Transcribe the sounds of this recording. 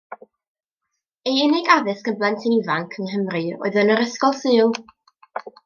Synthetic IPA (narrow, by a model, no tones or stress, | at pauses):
ejɪnɪɡaðɨsɡəmblˠɛntʰɪnivaŋkʰənɦəmrɨɔ̰ɨðənəɾəskɔlˠsɨːlˠ